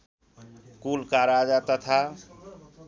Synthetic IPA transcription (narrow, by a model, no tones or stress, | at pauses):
kulkaɾad͡ʒat̪ət̪ʰa